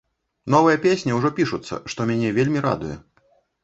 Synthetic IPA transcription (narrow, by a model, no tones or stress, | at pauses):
nɔvɐjɐpʲesʲnʲɛwʐɔpʲiʂut̪sːɐ̰ʂt̪ɔmʲanʲɛvʲelʲmʲiɾa̰d̪ujɛ̰